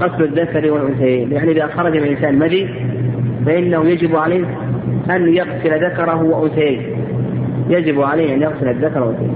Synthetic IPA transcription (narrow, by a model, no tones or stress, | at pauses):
ɣɑslaðːakɑɾiwɪlʔʊnθajaːnjaʕniʔɪðaxɑɾˤɑd͡ʒmɪnʔɪnsaːnmaði | faʔɪnːahʊjad͡ʒɪbʕaleːh | ʔanjaɣsɪlaðakɑɾˤɑɦʊwaʔʊnsajaːn | jad͡ʒɪbʕaleːhʔanjaɣsɪlaðːakɑɾˤwʊ̰nsaja̰